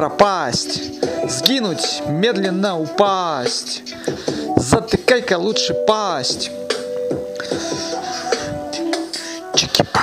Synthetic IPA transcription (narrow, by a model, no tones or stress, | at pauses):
ɾɐpasʲtʲzɡʲinʊtʲmʲed̪lʲɪnːəʊpasʲtʲ | zɐt̪ɨkajkɐlˠuʂɨpasʲtʲ | t͡ʃɪ̥kʲip